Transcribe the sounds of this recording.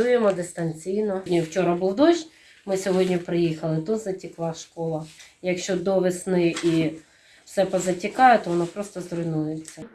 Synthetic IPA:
ujemɔd̪ɪst̪ɐnʲt͡sʲijnɔdʲnʲiwt͡ʃɔɾɐbuwd̪ɔʃʲ | mɪsʲɔɦɔdʲnʲipɾɪjixɐlˠɪt̪ut̪zɐtʲiklˠɑʃkɔlˠɐjɐkʃt͡ʃɔd̪ɔʋɪsnɪʔi | wsɛpɐzɐtʲikɑjɛt̪ɔʋɔnɔpɾɔst̪ɔzɾʊjnujet͡sʲːɐ

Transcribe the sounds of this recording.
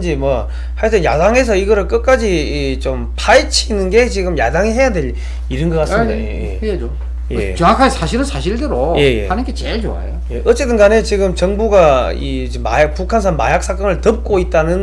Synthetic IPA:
nd͡ʑimwʌ | haɭt͈enjadaŋe̞s̬ʰʌiɡʌɾɯɭk͈ɯk̚k͈ad͡ʑi | t͡ɕompʰait͡ɕʰinɯnɡe̞t͡ɕiɡɯmjadaŋiɦe̞jadwe̞ʎ | iɾɯnɡʌk͈asɯmmida̰ḛje | jḛt͡ɕʌŋakʰaesʰaɕʰiɾɯnsʰaɕʰiɭdɯɾoje̞jḛhanɯnɡet͡ɕeɭt͡ɕo̰a̰joje̞ʔʌt͡ɕ͈etd͈ʰɯnɡanet͡ɕiɡɯmt͡ɕʌŋbuɡai | ema̰jak̚pukʰans̬ʰanma̰jak̚s͈ʰak͈ʌnɯɭtʌp̚k͈oit̚t͈anɯn

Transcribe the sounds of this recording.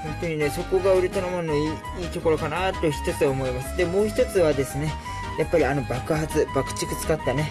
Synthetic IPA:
hõ̞nt̪o̞ɲ̟ine̞so̞ko̞ɡaɯ̟ɾɯ̟t̪onomonoiː | iːt̪oko̞ɾo̞kanat̪ːoçi̥t̪o̞t͡sɨaomo̞imasɨ̥d̪e̞mo̞ːçi̥t̪o̞t͡sɨβad̪e̞sɨne̞ | japːaɾʲiano̞bakɯ̟hat͡sɨb̥akɯ̥t͡ɕi̥kɯ̟t͡sɨ̥kat̪ːane̞

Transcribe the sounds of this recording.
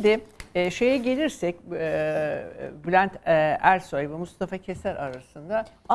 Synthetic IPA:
d̪ɪʃe̞jɛɟe̞lʲiɾsɛcː | blʲænt̪æɾʲsojvɯmust̪ʰafacʰe̞sæɾaɾasɯnd̪a

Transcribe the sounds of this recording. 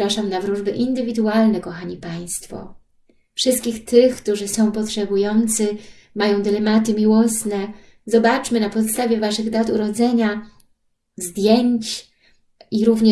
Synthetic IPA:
ɾaʂamnavɾuʐbɘʔind̪ɘvʲid̪ualnɛkɔxaɲipaj̃st̪fɔ̰ | fʂɘst̪kʲixt̪ɘxkt̪uʐɘsɔ̃w̃pɔtʂɛbujɔnt̪sɘ | majɔ̃w̃d̪ɘlɛmat̪ɘmʲiwɔsnɛ | zɔbat͡ʂmɘnapɔt̪st̪avʲjɛvaʂɘɣd̪at̪uɾɔd̪zɛɲa | zd̪ʲjeɲt͡ɕ | iɾuvɲɛ

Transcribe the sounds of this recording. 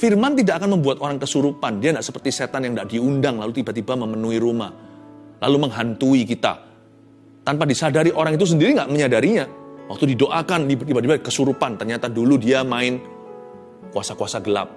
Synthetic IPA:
firmant̪idaakanməmbuat̪oɾaŋkəsuɾupandiandaʔsəpərt̪iset̪anjaŋdaʔdiundaŋlalut̪ibat̪ibaməmənuiɾuma̰hla̰luməŋɦant̪uikit̪a̰ | t̪anpadisadaɾiʔoɾaŋit̪̬us̬əndiɾiŋɡaʔməɲadaɾiɲawak̚t̪udidoʔakanibt̪ibad̪ibakəsuɾupant̪ərɲat̪aduludiamaɪn | kuasakuasaɡəla̰p̚

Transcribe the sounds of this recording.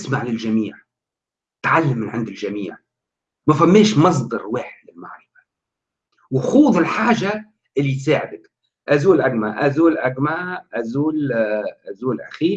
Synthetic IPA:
smaʕlɪlʒamiːʕ | t̪ʕalːamːɪnʕɪnd̪ɪlʒamiːʕ | mafæmːeːʃmɑs̬ˤd̪ˤɑɾˤwɪːħlɪlma̰ʕɾɪfḁ | wɪxuːðˤɪlħaːʒa | ʔɪlːit̪saːʕɪd̪ak | ʔazuːlʔaɡmaʔazuːlʔaɡmaʔazuːlʔazuːlʔa̰xiː

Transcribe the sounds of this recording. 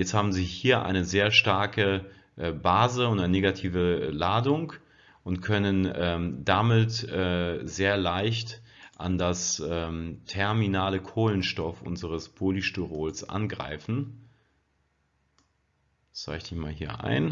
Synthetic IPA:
jɛt͡sthaːbm̩ziːhiːɐʔa̰ɪnəzeːɐʃtaɐkə | ʔɛːbaːzəʊntaɪnəneːɡatʰiːvəlaːdʊŋk | ʔʊntkʰœnənʔɛːmdamɪtʔɛːzeːɐlaɪçtʔa̰ndasʔɛːmtʰɛɐminaːləkʰoːlənʃtɔfʔʊ̰nzəʁəspʰoːliʃtuʁoːlsʔa̰nɡʁa̰ɪfn̩ | sa̰ɪçd̥ɪçma̰ːlɦiːɐʔa̰ɪn

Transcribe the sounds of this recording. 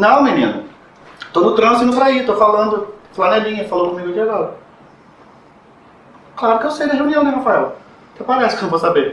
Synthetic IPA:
nɐ̃w̃menḭ̃nʊ | t̪onʊt̪ɾɐ̃sɪnʊvɾait̪ofalɐ̃nd̪ʊflanɛlĩɲɐfalowkõmiɡʊd͡ʒiaɡɔɾɐ | klaɾʊkɪewsejd̪ɐʒeuniɐ̃w̃d̪ẽhafaɛw | kɛpaɡasknɐ̃w̃vosabeɾ

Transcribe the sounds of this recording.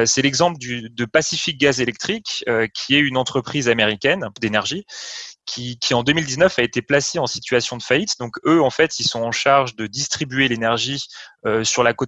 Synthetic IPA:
sɛlɛɡzɑ̃pləd̪yd̪əpasifik̚ɡazelɛk̚t̪χikøkʲʰiɛynɑ̃t̪χəpχizameʁikʲɛnd̪enɛʁʒikʲʰikʲʰiɑ̃d̪ømild̪iznœfaet̪eplaseɑ̃sit̪ɥasjɔ̃d̪əfait̪d̪ɔ̃køɑ̃fɛt̪ilsɔ̃ɑ̃ʃaʁʒd̪əd̪ist̪χibyelenɛʁʒiøsyʁlakot̪

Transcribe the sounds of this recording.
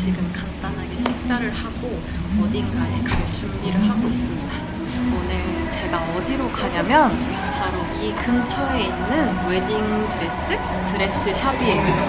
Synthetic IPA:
t͡ɕiɡɯmkant͈anɦaɡe̞ɕʰik̚s͈aɾɯɭhaɡo | ʌdiŋɡaekaɭt͡ɕʰumbiɾɯɭɦaɡois͈ɯmɲida | onɯɭt͡ɕe̞ɡaʌdiɾokaɲamjʌn | paɾo | ikɯmt͡ɕʰʌe̞inːɯnwe̞diŋtʰɯɾe̞s͈ɯ | tɯɾe̞s͈ɯɕʰabie

